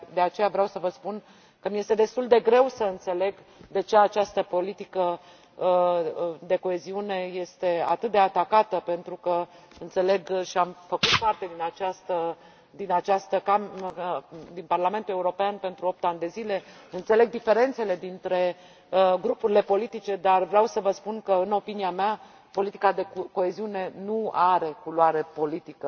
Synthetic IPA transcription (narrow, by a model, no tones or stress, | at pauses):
d̪e̞at͡ʃe̞javɾeawsəvəspun | kəmije̞st̪e̞d̪e̞st̪uld̪e̞ɡɾe̞wsəɨnt̪se̞le̞ɡ | d̪e̞t͡ʃe̞at͡ʃast̪əpo̞lit̪ikə | d̪e̞ko̞e̞ziune̞je̞st̪e̞a̰t̪ɨt̪̚d̪e̞at̪akat̪əpe̞nt̪ɾukə | ɨnt̪se̞le̞ɡʃiamfəkut̪̚part̪e̞d̪inat͡ʃast̪ə | d̪inat͡ʃast̪əkaməd̪inparlame̞nt̪ule̞uɾo̞peanpe̞nt̪ɾuop̚t̪anʲd̪e̞zile̞ɨnt̪se̞le̞ɡ̚d̪ife̞ɾe̞nt̪se̞le̞d̪int̪ɾe̞ | ɡɾupuɾile̞po̞lit̪it͡ʃe̞d̪arvɾeawsəvəspunkəɨno̞piniamea | po̞lit̪ikad̪eko̞e̞ziune̞nuaɾe̞kuluaɾe̞po̞lit̪ikə